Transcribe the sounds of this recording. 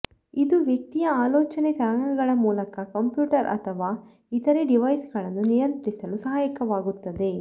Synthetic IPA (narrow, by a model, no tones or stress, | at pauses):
id̪uʋjek̚t̪ijɐaːlɔːt͡ʃɐnet̪ɐɾɐɳɐɡɐɭɐmuːlɐkɐkɐmpjuːʈɐɾʔɐ̰t̪ʰɐʋaː | it̪ɐɾeɖiʋɐjsɡɐɭɐnːunijɐnt̪ɐɾisɐlusɐɦaːjɐkɐʋaːɡut̪ːɐd̪e̞